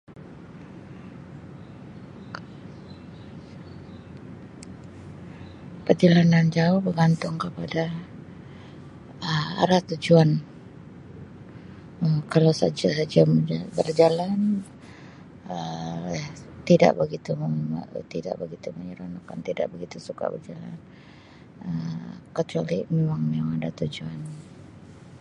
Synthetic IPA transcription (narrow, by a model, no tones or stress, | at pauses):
pət̪ilanand͡ʒaʊhbəɡant̪ʊŋkəpada | əa̰ɾat̪ud͡ʒuan | əkalawsa̰d͡ʒasad͡ʒamabərd͡ʒalan | əjat̪ida̰ʔbəɡit̪umət̪ida̰ʔbəɡit̪uməɲəɾanakant̪ida̰ʔbəɡit̪usuka̰bərd͡ʒala̰n | əkət͡ʃualimemaŋmemaŋadat̪ud͡ʒuan